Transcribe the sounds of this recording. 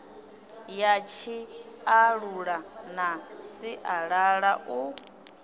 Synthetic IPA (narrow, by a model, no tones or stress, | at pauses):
jat͡ʃʰi | aɺuɺanasiʔaɺaɺaʔu